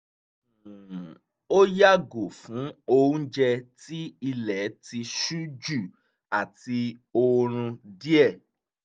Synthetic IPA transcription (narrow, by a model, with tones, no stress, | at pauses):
o˦ja˦ɡo˨fũ˨˦o˧ũ˦d͡ʒɛ˧ti˦i˧lɛ˨˦ti˧ʃu˦d͡ʒu˦˨ | a˨ti˧o˧ɾ̃ũ˧di˦ɛ˦˨